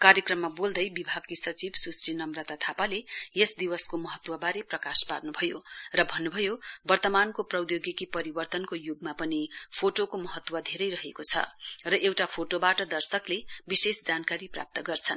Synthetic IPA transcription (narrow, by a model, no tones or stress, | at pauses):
kaɾjekrʌmːabold̪ʌjbibʱaɡkisʌt͡sibsusrinʌmrat̪at̪ʰapalejesd̪iwʌskomʌɦʌt̪wʌbaɾeprʌkasparnubʱʌjorʌbʱʌnːubʱʌjobʌrt̪ʌmankoprʌwd̪joɡikipʌɾibʌrt̪ʌnkojoɡmapʌnipʰoʈokomʌɦʌt̪ːwʌd̪ʱeɾʌjrʌɦekot͡sʰʌ̰rʌʔewʈapʰoʈobaʈʌd̪ʌrsʌklebisesd͡zankaɾipra̰p̚t̪ʌɡʌrt͡sʰʌn